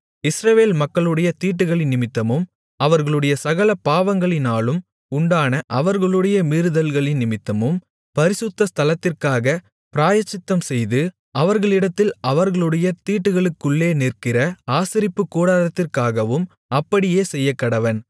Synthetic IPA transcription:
ɪsɾɐʋeːlmɐkːɐɭɯɽɐjɐt̪iːʈːɯɣɐɭɪnːɪmɪt̪ːɐmɯm | ɐʋɐɾɣɐɭɯɽɐjɐsɐɣɐlɐpaːʋɐŋɡɐɭɪnaːlɯm | ʊɳɖaːnɐʔɐʋɐɾɣɐɭɯɽɐjɐmiːɾɯðɐlɣɐɭɪnnɪmɪt̪ːɐmɯm | pɐɾɪsɯt̪ːɐst̪ʰɐlɐt̪ːɪrkaːɣɐ | pɪɾaːjɐt͡ʃːɪt̪ːɐmsɛjðɯ | ɐʋɐɾɣɐɭɪɽɐt̪ːɪlɐʋɐɾɣɐɭɯɽɐjɐt̪iːʈːɯɣɐɭɯkːɯɭːeːnɪrkɪrɐaːsɪɾɪpːɯkːuːɽaːðɐt̪ːɪrkaːɣɐʋɯm | ɐpːɐɽɪjeːsɛjːɐkːɐɽɐʋɐn

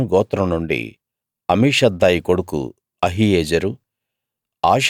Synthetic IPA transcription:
mɡɔːt̪ːɾɐmnuɳɖḭ | ɐmiːʂɐd̪ːaːjiko̞ɽukṵ | ɐɦieːd͡ʒɐɾu | aːʃ

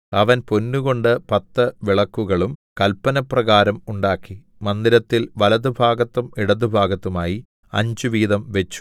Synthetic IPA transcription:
ɐʋɐnpo̞nːuɣo̞ɳɖɨpɐt̪ːɐʋiɭɐkːuɣɐɭumkɐlpːɐnɐprɐɣaːɾɐmuɳɖaːkːi | mɐnd̪iɾɐt̪ːilʋɐlɐðubʱaːɡɐt̪ːumiɽɐðubʱaːɡɐt̪ːumaːji | ɐ̰ɲd͡ʑuʋiːðɐmʋe̞t͡ɕːu̥

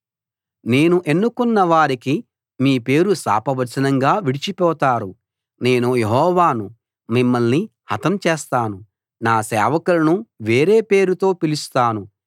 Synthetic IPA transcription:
ne̞ːnuʔenːukunːɐʋaːɾiki | miːpe̞ːɾusa̰ːpɐʋɐɾt͡ʃɐnɐŋɡaːʋiɽit͡ʃipɔːt̪aːɾu | ne̞ːnuje̞ɦɔːʋaːnu | mimːɐlnihɐt̪ɐmt͡ʃeːst̪aːnu | naːsɛ̰ːʋɐkulɐnuʋe̞ːɾe̞ːpe̞ːɾut̪o̞ːpilist̪aːnu

